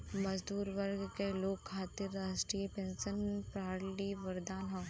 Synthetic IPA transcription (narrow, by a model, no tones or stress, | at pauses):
mɐzd̪uːɾʋɐɾɡkeloːkʰːaːt̪ɪɾːaːʃʈɾiːepẽːnsənpɾaːɾliʋɐɾd̪aːnɦɐ